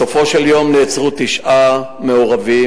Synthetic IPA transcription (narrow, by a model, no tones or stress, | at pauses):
ofo̞ʃeljo̞mnet͡sʁut̪iʃʔameoʁavi